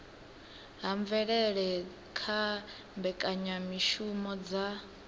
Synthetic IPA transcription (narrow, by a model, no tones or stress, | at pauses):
ɦaɱvɛɺɛɺɛ | kʰa | mbɛkʼaɲamiʃumɔd͡za